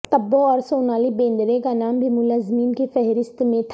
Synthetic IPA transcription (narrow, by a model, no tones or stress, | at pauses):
t̪ɐbːoɔːɾsoːnaːlibẽːnd̪ɾẽkanaːmbʱimʊlaːzmiːnkefɛɦɾɪst̪mẽt̪ʰ